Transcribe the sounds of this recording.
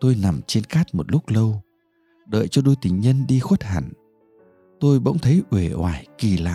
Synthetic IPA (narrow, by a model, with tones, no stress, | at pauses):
t̪o˧jna˨˩mt͡ɕe˧nxaː˦˥t̚mo˨˩t̚lʊ˦˥k͡p̚lə˧w | ɗə̰ː˧˨jt͡ɕɔ˧ɗo˧jt̪ï˨˩ŋ̟ɲə˧nɗi˧xwə˦˥t̚ha̰˧˩˨n | t̪o˧jɓə̰˧˥wŋ͡mt̪ʰə˨˦jʔwe˧˩ʔwaː˧˩jki˨˩la̰ː˧˨